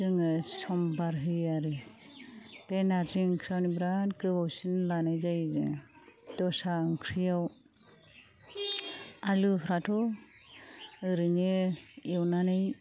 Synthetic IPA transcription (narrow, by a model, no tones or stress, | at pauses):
tɯŋɯsɔmbaɾɦɯjaɾɯ | penaɾziɯŋkʰɾijawnibɾankɯbawsinlanajzajzɯ̰ | dɔsaɯŋkʰɾijaw | aluɦɾatʰɔ | ɯɾɯnɯewnanɯj